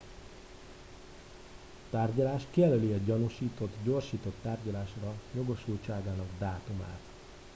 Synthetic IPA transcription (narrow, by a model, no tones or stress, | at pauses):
t̪aːrɟɒlaːʃkijɛløliɒɟɒnuʃiːt̪o̞t̪ɟo̞rʃiːt̪o̞t̪ːaːrɟɒlaːʃrɒjo̞ɡo̞ʃult͡ʃaːɡaːnɒɡd̪aːt̪uma̰ːt̪